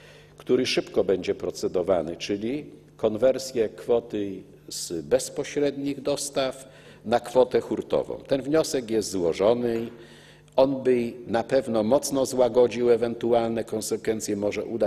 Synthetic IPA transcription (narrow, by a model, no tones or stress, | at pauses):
kt̪uɾɘʂɘpkɔbɛɲd͡ʑɛpɾɔt̪sɛd̪ɔvanɘt͡ʂɘlʲi | kɔnvɛɾsʲjɛkfɔt̪ɘ | z̥bɛspɔɕɾɛd̪ɲiɣd̪ɔst̪af | nakfɔt̪ɛxuɾt̪ɔ̰vɔ̰̃w̃t̪ɛnvɲɔsɛkjɛst̪zwɔʐɔnɘ | ɔnbɘnapɛvnɔmɔt̪snɔzwaɡɔd͡ʑiwɛvɛnt̪ualnɛkɔnsɛkfɛnt̪sʲjɛmɔʐɛʔud̪a